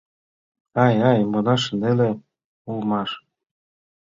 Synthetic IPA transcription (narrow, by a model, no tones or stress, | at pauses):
ɑjɑjmonɑʃə̆nd̪ele | ulmɑʃ